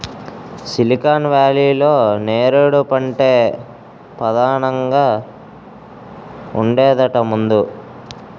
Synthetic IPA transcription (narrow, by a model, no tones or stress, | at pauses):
silikaːnʋaːliːlo̞ːneːɾuɽupɐɳʈeː | pɐd̪ʱaːɳɐŋɡaː | uɳɖɛːd̪ɐʈɐmund̪u